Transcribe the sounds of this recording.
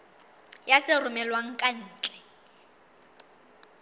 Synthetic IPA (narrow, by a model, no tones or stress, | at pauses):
jasɪrʊmɛlwaŋ̩kʼan̩ːt͡ɬʼɛ̥